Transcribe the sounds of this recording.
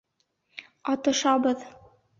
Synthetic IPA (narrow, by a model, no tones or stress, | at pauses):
ɑt̪ɤ̆ʃɑbɤð